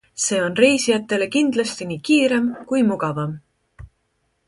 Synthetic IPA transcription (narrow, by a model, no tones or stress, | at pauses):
se̞ːo̞nre̞jsijɑt̪ːˑe̞le̞kind̪̥lɑst̪iniːkiːɾe̞mkujmuɡ̥ɑvɑm